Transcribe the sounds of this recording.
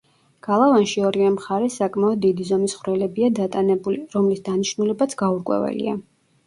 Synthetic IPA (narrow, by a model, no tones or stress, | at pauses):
ɡ̥alˠavanʃiɔɾivɛmχaɾɛsakʼmaɔd̪̚ːid̪izɔmisχɾɛlɛbiad̪at̪ʼanɛbuliɾɔmlisd̪aniʃnulɛbat̪sʰɡ̥auɾkʼwɛ̰vɛ̰lḭa̰